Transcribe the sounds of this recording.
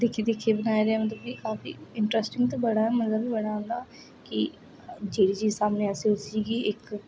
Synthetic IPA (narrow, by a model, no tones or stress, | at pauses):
d̪eːkʰːed̪eːkʰːebənaːjeɾeaːmət̪ləbiːkaːfḭːɪɳʈɾɛsʈɪ̃ŋɡt̪oːbəɽaːɛmət̪ləbibəɽaːɦõːnd̪aː | kɪ | d͡ʒeːɽiːt͡ʃiːzsaːmneːəsĩːʊsiːɡiːɪk